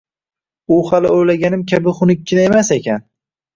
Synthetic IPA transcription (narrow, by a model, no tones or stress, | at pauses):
uhalɪojlaɡʲanɪmkʲʰabɪχʊnɪkʰʲːɪnaemasekʲan